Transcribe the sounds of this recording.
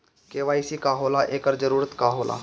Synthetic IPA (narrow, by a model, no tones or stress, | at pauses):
keːʋaːisikaːɦoːlaʔeːkəɾd͡ʒəɾuːɾət̪kaːɦoːlʔa̰ː